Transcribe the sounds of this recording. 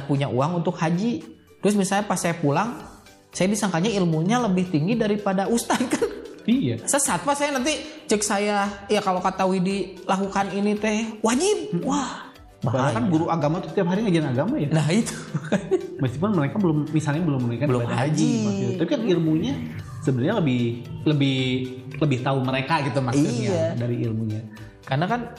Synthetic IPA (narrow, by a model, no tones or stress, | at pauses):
puɲaʔṵaŋunt̪ʊkhad͡ʒi | t̪ɾʊs̬misalɲapasajapulaŋ | sajadisaŋkaɲailmuɲaləbɪht̪iŋɡidaɾipadaust̪at̪̚kanija̰səsat̪̚pasajanant̪it͡ʃəksajajakalokat̪auwidilakukaninit̪ɛwad͡ʒit̪̚wah | babaaɾaŋbuɾuaɡamat̪ut̪iapɦaɾiŋəd͡ʒaanaɡamajanaɦit̪u̥kanməskipʊnməɾekabəlʊmːisalɲabəlʊmːənujkanbəlʊbaaaad͡ʒiit̪ut̪apikanilmuɲa | səbənɾɲaləbɪhləbɪh | ləbɪht̪auməɾekaɡit̪umaiiɲaadaɾiḭlmuɲa | karnakan